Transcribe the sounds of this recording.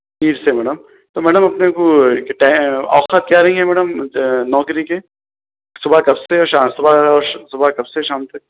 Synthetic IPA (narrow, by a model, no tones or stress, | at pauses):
piːɾsemɛːɽəm | t̪oːmɛːɖəmɐpnekoʈaɔ̰ːxət̪̚kjaːɾɐɦĩɦɛmɛːɽəmnɔːkɾike | sʊbʱakɐbseɔʃaːsʊbaɔːsʊbakɐbseʃaːmt̪ɐk̚